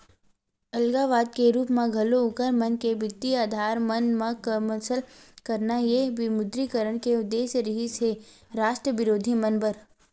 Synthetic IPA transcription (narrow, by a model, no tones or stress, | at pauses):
ɐlɡaːʋaːd̪̚keɾuːpmãɡʱɐloʊkəɾmənkebɪt̪ːiaːd̪ʱaːɾmənmakəməsəlkəɾnajeʋɪmʊd̪ɾikəɾəɽ̃keʊd̪ːeːsɾɪɦiseɾaːʃʈɾəʋɪɾoːd̪ʱimənbəɾ